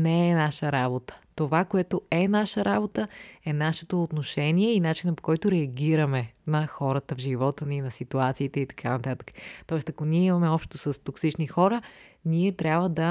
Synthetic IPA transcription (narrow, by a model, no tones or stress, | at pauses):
nɛɛnaʃəɾabot̪ə̥t̪ovakoɛt̪oɛnaʃəɾabot̪əɛnaʃɛt̪oːt̪noʃɛniɛinat͡ʃinəpo̥kɔjt̪ʊɾɛɐɡʲiɾɐmɛnɐxɔɾət̪əvʒivɔt̪əninɐsit̪uat̪siːt̪ɛit̪ɐ̥kʰanɐt̪at̪ə̥kə̥t̪ɔɛst̪ɐkoniɛimɐmɛɔpʃt̪osɐst̪oksit͡ʃnixɔɾəniɛt̪ɾʲabvəd̪ɐ